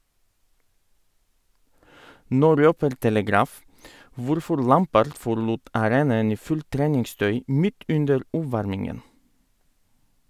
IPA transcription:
ˈnoː ˈɾøːpəɾ tɛləˈɡɾɑːf ˈʋʊɾfɔɾ ˈlæmpəɾd fɔɾˈluːt ɑˈɾeːnɑən ˈiː ˈfʉlt ˈtɾeːnɪŋˌstœʏ ˈmɪt ˈʉndəɾ ˈuːˌʋɑɾmɪŋən

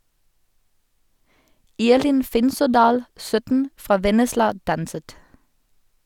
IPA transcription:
ˈiːʁlɪn ˈfɪnsɔˌdɑːl ˈsœtn̩ ˈfʁɑː ˈʋɛnəslɑ ˈdɑnsət

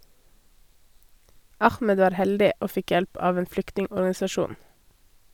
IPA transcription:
ˈɑxmɛd ˈʋɑːɾ ˈhɛldɪ ˈoː ˈfɪk ˈjɛlp ˈɑːʋ ˈeːn ˈflʏktnɪŋɔɾɡɑnɪsɑˌʃuːn

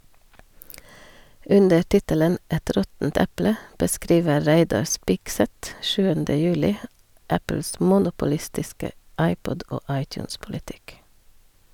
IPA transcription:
ˈʉndə ˈʈɪtələn ˈɛt ˈɾɔtn̩t ˈɛplə bəˈskɾiːʋə ˈɾæɪdɑɾ ˈspɪɡˌsɛt ˈʃʉːəndə ˈjʉːlɪ ˈæpl̩s ˈmʊnʊpʊˌlɪstɪskə ˈɑɪˌpɔd ˈoː ˈɑɪˌtjʉːnspʊlɪˌtɪk

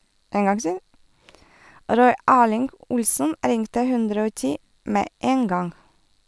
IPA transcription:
ˈɾɔʏ ˈæːlɪŋɡ ˈʊlsən ˈɾɪŋtə ˈhʉndɾə ˈoː ˈtiː ˈmeː ˈeːn ˈɡɑŋ

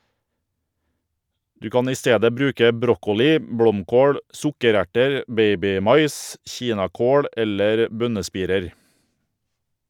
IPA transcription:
ˈdʉː ˈkɑːn ˈiː ˈsteːdə ˈbɾʉːkə ˈbɾɔkʊlɪ ˈbɽɔmˌkoːɽ ˈsʊkəˌɾæʈəɾ ˈbeɪbɪˌmɑɪs ˈçiːnɑˌkoːɽ ˈɛləɾ ˈbœnəˌspiːɾəɾ

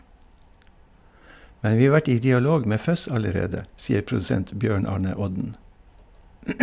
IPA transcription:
ˈmɛn ˈʋiː ˈɑː ˈʋæʈ ˈiː dɪɑˈloːɡ ˈmeː ˈfœs ɑləˈɾeːdə ˈsiːəɾ pɾʊdʉˈsɛnt ˈbjøːɳ ˈɑːɳə ˈɔɟn̩

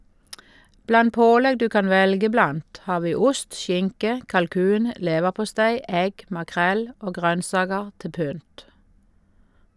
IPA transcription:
ˈblɑn ˈpoːlɛɡ ˈdʉː ˈkɑn ˈʋɛlɡə ˈblɑnt ˈhɑː ˈʋiː ˈʊst ˈʃɪŋkə kɑlˈkʉːn ə ˈleːʋəʁpʊˌstæɪ ˈɛɡ mɑˈkʁɛl ˈoː ˈɡʁœnsɑːɡəʁ ˈtɪ ˈpʏnt

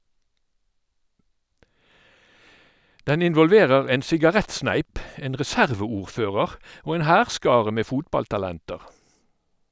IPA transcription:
ˈdɛn ɪnʋɔlˈʋeːʁəʁ ˈeːn sɪɡɑˈʁɛtˌsnæɪp ˈeːn ʁɛˈsæʁʋəˌuːʁˌføːʁəʁ ˈoː ˈeːn ˈhæːʁˌskɑːʁə ˈmeː ˈfuːtbɑltɑˌlɛntəʁ

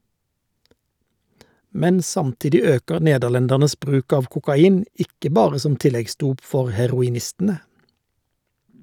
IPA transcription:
ˈmɛn ˈsɑmˌtɪdɪ ˈøːkəʁ ˈneːdəʁˌlɛndæʁnəs ˈbʁʉːk ˈɑːʋ kʊkɑˈiːn ˈɪkə ˈbɑːʁə ˈsɔm ˈtɪlɛɡˌsduːp ˈfɔʁ hɛʁʊɪˈnɪstn̩ə

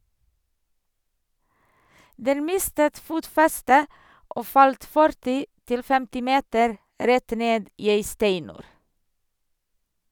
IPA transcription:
ˈdɛn ˈmɪstət ˈfuːtfɛstə ˈʔoː ˈfɑlt ˈfœɾtɪ ˈtɪl ˈfɛmtɪ ˈmeːtəɾ ˈɾɛt ˈneːd ˈiː ˈeɪ ˈstæɪnʉːɾ

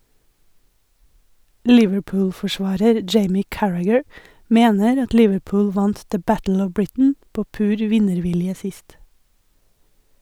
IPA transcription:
ˈlɪʋəɹˌpʊːlfɔˌʃʋɑːɾəɾ ˈd͡ʒeɪmɪ ˈkæɹæɡəɹ ˈmeːnəɾ ˈɑt ˈlɪʋəˌpʊːl ˈʋɑnt də ˈbætl̩ ˈɔʋ ˈbɹɪtn̩ ˈpoː ˈpʉːɾ ˈʋɪnəɾˌʋɪljə ˈsɪst

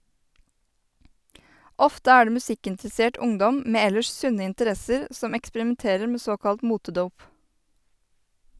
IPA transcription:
ˈɔftə ˈæː ˈɖeː mʉˈsɪkɪntɾɛˌseːʈ ˈʊŋdɔm ˈmeː ˈɛləʃ ˈsʉnə ɪntəˈɾɛsəɾ ˈsɔm ɛkspəɾɪmɛnˈteːɾəɾ ˈmeː ˈsoːkɑlt ˈmuːtəˌduːp

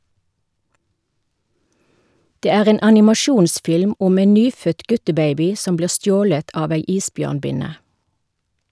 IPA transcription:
ˈdeː ˈæːʁ ˈeːn ɑnɪmɑˈʃuːnsfɪlm ˈʊm ˈeːn ˈnyːfœt ˈɡʉtəˌbeɪbɪ ˈsɔm ˈbliːʁ ˈstjoːlət ˈɑːʋ ˈæɪ ˈiːsˌbjøːʁnˌbɪnə

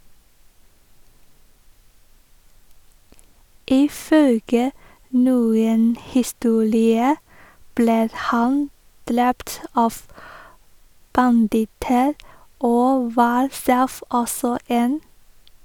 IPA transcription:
ɪˈfœlɡə ˈnuːən hɪˈstuːɾɪə ˈbleː ˈhɑn ˈdɾɛpt ˈɑːʋ bɑnˈdɪtəɾ ˈoː ˈʋɑːɾ ˈsɛf ˈɔsɔ ˈeːn

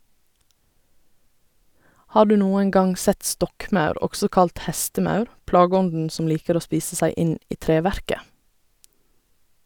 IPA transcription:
ˈhɑː ˈɖʉː ˈnuːən ˈɡɑŋ ˈsɛt ˈstɔkˌmɑʉɾ ˈɔɡsɔ ˈkɑlt ˈhɛstəˌmɑʉɾ ˈplɑːɡəˌɔndn̩ ˈsɔm ˈliːkəɾ ˈoː ˈspiːsə ˈsæɪ ˈɪn ˈiː ˈtɾeːˌʋæɾkə

